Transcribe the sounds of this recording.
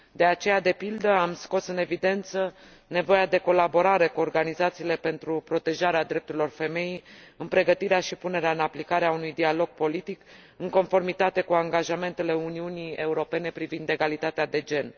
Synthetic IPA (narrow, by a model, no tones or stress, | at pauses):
d̪e̞at͡ʃe̞jad̪e̞pild̪əamsko̞sɨne̞vid̪e̞nt̪sə | ne̞vo̞jad̪e̞ko̞labo̞ɾaɾe̞kuo̞rɡanizat̪siːle̞pe̞nt̪ɾupɾo̞t̪e̞ʒaɾead̪ɾe̞p̚t̪uɾilo̞rfe̞me̞jijɨnpɾe̞ɡət̪iɾeaʃipune̞ɾeaɨnaplikaɾeaunujd̪ialo̞ɡ̚po̞lit̪ik | ɨŋko̞nfo̞rmit̪at̪e̞kuaŋɡaʒame̞nt̪e̞le̞uniunie̞uɾo̞pe̞ne̞pɾivind̪e̞ɡalit̪at̪ead̪e̞d͡ʒe̞n